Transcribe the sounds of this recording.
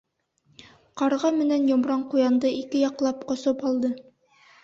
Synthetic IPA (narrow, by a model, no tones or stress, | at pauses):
qɑɾʁɑmɘ̆nænjŏmɾɑɴqujɑnd̪ɤikɘjɑqlˠɑpqŏsopɑlˠd̪ɤ